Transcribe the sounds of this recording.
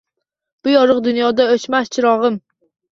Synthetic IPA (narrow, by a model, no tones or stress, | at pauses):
b̥ʊjɒɾɨqd̪ʊnjɒd̪aɵt͡ʃmast͡ʃʰɪɾɒʁɨm